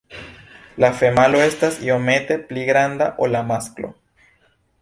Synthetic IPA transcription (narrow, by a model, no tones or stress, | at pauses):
lafemaloest̪asiomet̪e̞pliɣɾand̪aʔolamasklo̰